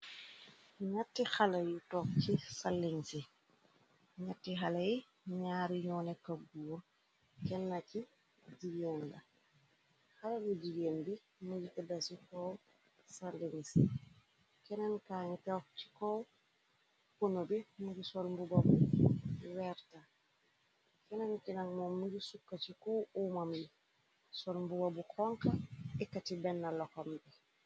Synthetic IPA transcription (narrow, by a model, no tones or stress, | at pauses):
ɲatːixalɐjutɔkcisalːiŋsi | ɲatːixalaji | ɲaːɾiɲɔːnɛkɐbuwo | kɛnːaci | ɟiɡenda | xalabiɟiɡeːnbi | muɟitɛdasikɔw | salːiŋsi | kɛnankaːɲitɛwft͡ʃi̥kɔw | kunobimuɡisɔlmbubabu | wɛɾta | kɛnankɛnaŋmɔmuɾisukːat͡ʃikɔumambi | sɔlmbubabukʰɔŋkaɛkːatibɛnːalɔkɔmbɛ